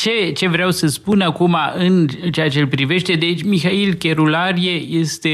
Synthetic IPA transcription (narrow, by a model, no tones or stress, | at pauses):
t͡ʃe̞t͡ʃe̞vɾeawsəspunakumaʔɨnt͡ʃeat͡ʃelpɾive̞ʃt̪e̞d̪e̞t͡ʃʲmixailkʲe̞ɾulaɾije̞jest̪e̞